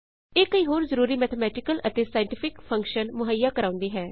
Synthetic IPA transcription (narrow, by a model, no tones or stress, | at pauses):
eːkəiːɦoːɾzəɾuːɾiːmɛːt̪ʰəmɛːʈɪkəlʔət̪eːsaːɪ̃ɳʈɪpʰɪkpʰə̃ŋkʃənmʊɦəjːaːkəɾaːʊ̃nd̪iːɦɛː